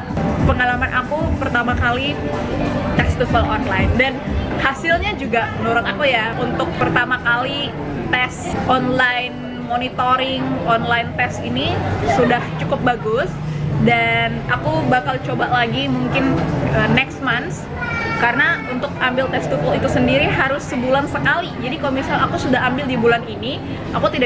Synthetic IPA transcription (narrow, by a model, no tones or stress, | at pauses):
pəŋalamanʔakupərt̪amakali | t̪ɛst̪ufəlɔnlajndanhasɪlɲad͡ʒuɡaənoɾɔŋakujaunt̪ʊk̚pərt̪amakali | t̪ɛs | ʔɔnlajn | monit̪oɾɪŋɔnlajnt̪ɛsinisudaht͡ʃukʊp̚baɡʊsdanakubakalt͡ʃobaʔlaɡimuŋkɪnənɛkst̪̚mans | kaɾənaunt̪ʊkambɪlt̪ɛst̪ut̪əlit̪usəndiɾiɦaɾʊsːəbulansəkalid͡ʒadikalomisalakusudaɦambɪldibulanini | ʔakut̪ida